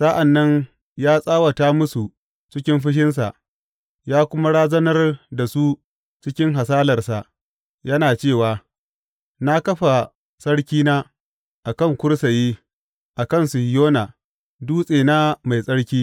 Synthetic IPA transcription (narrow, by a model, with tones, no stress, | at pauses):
sa˦ʔa˨nːɐ˦ɲ | jaː˦sʼaː˦wɐ˨taː˦mʊ˦su˨ | t͡ʃɪ˦kʲɪ˦mɸɪ˦ʃ̬ɪ˦ns̬a̰˨ʔ | jaː˦kʷʊ˦ma˦ɽaː˦zɐ˦nɐ˦rda˨su˦ | t͡ʃɪ˦kʲɪ˦ŋɦa˨saː˦lɐ˨rsa˨ʔ | jɐ˦naː˨t͡ʃeː˦˨waː˨ | na˦kɐ˦ɸa˨ | sʼɐ˦ɽkʲiː˦naː˦ | ʔa˨kɐ˦˨ŋkʷʊ˦ɽsa˨jeː˦ | ʔa˨kɐ˦˨nsu˨hjoː˦na˨ | duː˦sʼeː˨naː˦ma˨jsʼɐ˦ɽkʲiː˦